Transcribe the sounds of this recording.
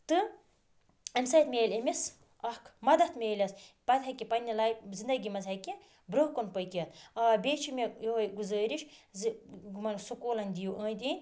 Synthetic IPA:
t̪ɨ | ɐmsɐːt̪mʲeːlʲɐmis | ɐhkʰmɐd̪ɐt̪meːlʲɐspɐd̪ʲɦɐkʲipɐnʲilaːjzind̪ɐɡʲimɐzɐjki | bɾoɦkonpɐjkʲiɐt̪̚ʰɐːbʲeːt͡ʃʰimejoɦojɡuzəːɾiʃzɡmɐnsukoːlɐnʲd̪ijuʔəːnd̪ʲinʲ

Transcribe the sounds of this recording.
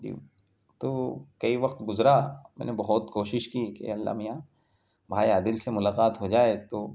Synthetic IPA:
d͡ʒḭ | t̪oːkɐiʋɐqt̪ɡʊzɾamɛ̰ːnebɐɦʊt̪koːʃɪʃkikḛɐlːa̰ːmijã | bʱaːiaːd̪ɪlsemʊlaːqaːt̪ɦod͡ʒaːet̪oː

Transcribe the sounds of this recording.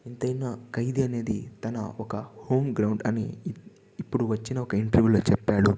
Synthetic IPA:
int̪ɐjnɐkɐjd̪iɐne̞ːd̪it̪ɐnɐ̰ɔkɐho̞ːmɡɾɐwɳɖɐniː | pːuɽuʋɐt͡ʃːinɐɔkɐiɳʈɐɾʋjuːlo̞ːt͡ʃɛpːaːɽu

